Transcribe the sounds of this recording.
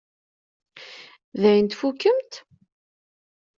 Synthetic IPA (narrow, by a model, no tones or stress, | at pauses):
ðæjənt̪fukːəmt̪